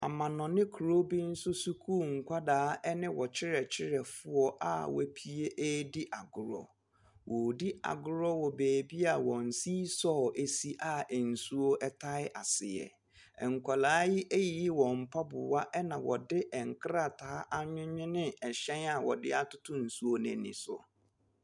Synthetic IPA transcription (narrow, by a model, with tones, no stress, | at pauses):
a˨mã˨nɔ̃˨nɪ̃˦kʰu˨ɾo˦bi˦n̩˦sʊ˦su˦kʰu˦˨ŋ̩˨kʷʰa˦daː˨˦ɛ˦nɪ̃˦wɔ˨t͡ɕʰɪ˦ɾɛ˨t͡ɕʰɪ˦ɾɛ˨fʊ˦ɔ˦ʔa̰˨wɛ̰˦pʰi˦e˦ʔe˦dɪ˦ʔa˨ɡʊ˨ɾɔ̰˨ | wʔɔ˨di˦ʔa̰˨ɡʊ˦ɾɔ˦wɔ˨beː˨bi˦a˨wɔ̃˨n̩˨siː˦sɔ˦˨e˦si˦ʔa˨ɛ˨n̩˨su˦o˦ʔɛ˦tʰa˦ɪ˦ʔa˨sɪ˨jɛ̰˨ | ɛ˨ŋ̩˨kʷʰa˨laː˦jɪ˦ʔe˦ji˨ji˦wɔ̃˨m̩˨pʰa˦bʊ˨wa˦ʔɛ˦nã˨wɔ̰˨dɪ˦ʔɛ˨ŋ̩˨kʰɾa˨tʰaː˨˦ʔa˦ɲᶣɪ̃˦ɲᶣɪ̃˦nɪ̃˦ɛ˨ɕɛ̃˦na˨wɔ˨dɪ˦a˦tʰʊ˦tʰʊ̃˦n̩˨su˦o˦nɪ̃˨nɪ̰̃˨sʊ̰˨